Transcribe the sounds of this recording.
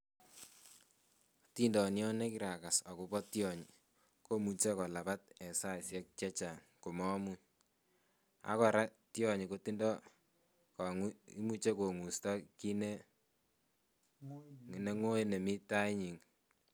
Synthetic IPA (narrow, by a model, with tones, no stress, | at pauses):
ti˦ndɔ˨njɔ˦ne˦ki˦ɾa˨ka˨sa˨ku˨pɔ˦tjɔ˨ɲi˨ | ko˦mu˨t͡ʃe˦kɔ˨la˨pa˦t̚ɛ˨sa˦˨sjɛ˦k̚t͡ʃɛ˦t͡ʃa˨ŋ | ku˨mɔ˦mu˦ | a̰˦kɔ˨ɾa˦tjɔ˨ɲi˨ko˦ti˦ndɔ˦ | kɔ˨ŋu˦i˦mu˦t͡ʃe˦ko˨ŋu˨stɔ˦ki˦ne˦ | ŋ˨ne˦ŋo˦e˦ne˨mi˦ta˦i˦ɲi˨ŋ